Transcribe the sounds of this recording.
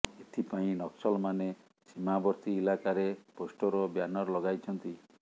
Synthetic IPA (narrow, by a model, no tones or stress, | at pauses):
et̪ʰipaĩnɔksɔlɔmane | simabɔɾt̪iːlakaɾeposʈɔɾɔbjanɔɾɔlɔɡajt͡ʃʰɔnt̪i